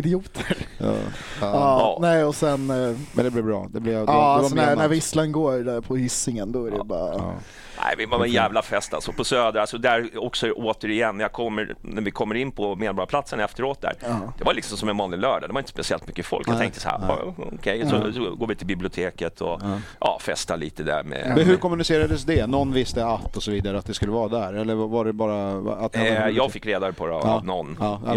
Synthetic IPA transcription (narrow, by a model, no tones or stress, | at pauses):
ɪd̪ɪuːt̪ʰəɾ̰ | ɑːnɛɪɔsɛnmɛnd̪ɛblɪvbɾɑ̰ːd̪ɛblɛvalsɔnænæɾvɪslənɡoːɾɾpʰɔhʏsɪŋənd̪ɔæɾɛbɑːɾa̰ | ʔæ̰ɪvɪaɛnjæːvlafɛst̪a̰lsɔpʰɔsøːd̪ɾaalsɔd̪æɾɔksɔʔoːt̪əɾɪɛnːjɑkʰɔmːə̰ɾnæɾvɪkʰɔmːəɾɪnːpʰɔmeːd̪bɑɾapʰlat̪sənɛft̪əɾoːt̪̚d̪æ̰ɾd̪ɛvaɾlɪksɔmsɔmɛnmɔnːɪnlœːɖad̪ɛvaɾɪnt̪ə̥spɛsɪɛlt̪mʏkːəfɔ̰lkjjat̪ʰɛ̰ŋkt̪əshæ̰ɾɑ̰ɔ̰kʰɛjsɔsɔɡoːvɪt̪ʰɪlbɪblɪʊt̪ʰeːkət̪ʰɔʔɑ̰ːfɛst̪aɭḭːt̪əd̪æ̰ɾmɛ̰ɛhɵɾkʰɔmɵnɪseːɾad̪əsd̪ɛnɔnːvɪst̪əat̪ːɔsɔviːd̪aɾəat̪̚d̪ɛskɵlːəvɑːɾd̪æɾɛlːəɾvɑaɖɛbɑːɾaat̪jɑːɡfɪkːɾeːd̪aɾpʰɔnɔnː